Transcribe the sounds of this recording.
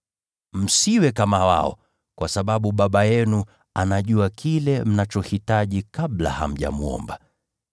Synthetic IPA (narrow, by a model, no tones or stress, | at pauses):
m̩siwɛkamawa̰ɔ̰ | kwasaɓaɓuɓaɓajɛnu | anaʄuakʰilɛm̩nat͡ʃɔhitaʄikaɓla̰ha̰m̩ʄa̰muɔ̰mba